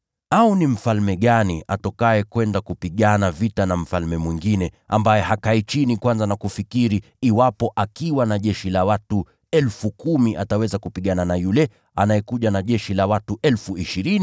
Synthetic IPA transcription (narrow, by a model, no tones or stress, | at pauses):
aunim̩falmɛɠaniʔatɔkajɛkwɛndakupiɠanavitanam̩falmɛmwiŋɡinɛ | a̰mbajɛhakait͡ʃinikwanzanakufikiɾiː | wapɔʔakiwanaʄɛʃilawatu | ɛlfukumiʔatawɛzakupiɠananajulɛ | anajɛkuʄanaʄɛʃilawatuʔɛlfuiʃiɾini